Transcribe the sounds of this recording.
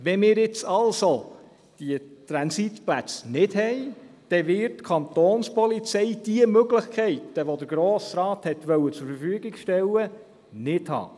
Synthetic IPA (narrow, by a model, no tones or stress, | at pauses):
ʋɛmɪːɾjɪt͡sɑlso | d̥iət̪ɾɑnsit̪plæt͡snɪdhɛj | d̥ɛʋɪrtkʰɑnt̪oːnspɔlit͡sɛjd̥iəmøɡlɪχkʰχɛɪt̪əʋod̪əɾɡɾoːsɾɑːt̪hɛt̪ʋœwət͡sʊɾfəɾfyəɡɪɡʃtɛlːə | nɪdhɑ̰ː